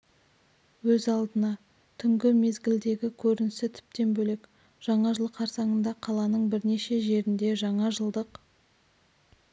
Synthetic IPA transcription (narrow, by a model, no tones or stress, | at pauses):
wɵzɑlˠd̪ənɑ | t̪ʰʏŋɡʲɪme̞zɡʲɪld̪e̞ɡʲɪkʲʰɵɾɪnɪsɪt̪ʰʏ̥p̚t̪e̞nbɵle̞k | ʒ̥ɑɴɑʒəlˠəqʰɑɾsɑɴənd̪ɑqʰɑlˠɑnəɴbɪɾne̞ʃe̞ʒe̞ɾɪnd̪e̞ʒɑɴɑʒəlˠd̪əq